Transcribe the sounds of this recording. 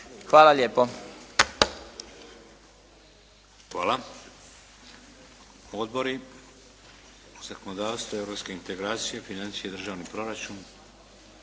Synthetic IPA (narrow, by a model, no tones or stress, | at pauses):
xʋaːlaʎjeːpo | xʋaːla | od̪̚bo̞ɾi | z̥ako̞nod̪aːʋst̪voe̞vɾo̞pske̞int̪e̞ɡɾaːt̪sijefinant̪sijed̪r̩ʒaːʋnipɾo̞ɾat͡ʃun